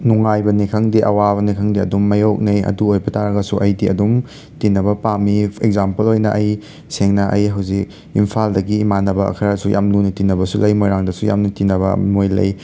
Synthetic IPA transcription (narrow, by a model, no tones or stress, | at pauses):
nuŋajbɐnikʰɐŋdiʔɐwaβɐnikʰɐŋdiɐ̰dumːɐjok̚nɐjɐ̰duojbɐtaɾɐɡɐsuʔɐjdiɐ̰dum | tinɐbɐpamiekzampɐlojnɐʔɐj | seŋnɐʔɐjɦɐwzik̚ | impʰaldɐɡimanɐbɐɐ̰kʰɐɾɐsujʔa̰mnunitinɐbɐsulɐjmojɾaŋdɐsuja̰mnutinɐβɐ̰mojlɐ̰j